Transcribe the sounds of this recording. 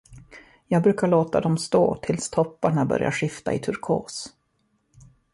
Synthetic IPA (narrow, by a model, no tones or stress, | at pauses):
jɑːɡ̚bɾʉ̟ːkaɭoːt̪ad̪ɔmst̪o̰ːt̪ʰɪlst̪ʰɔpːaɳabœ̰ɾja̰ɧɪft̪a̰ɪt̪ʰɵɾkʰo̰ːs